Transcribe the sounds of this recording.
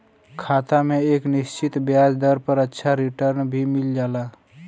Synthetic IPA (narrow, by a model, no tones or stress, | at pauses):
kʰaːt̪amẽeːknɪst͡ʃɪt̪bjaːd͡ʒd̪əɾpəɾətːʃʰaɾiʈəɾnbʱimɪld͡ʒaːla